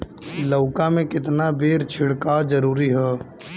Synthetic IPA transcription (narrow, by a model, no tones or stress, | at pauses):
ləːkamẽkɪt̪nabeːɾt͡ʃʰɪɽkaːd͡ʒəɾuːɾiɦɛː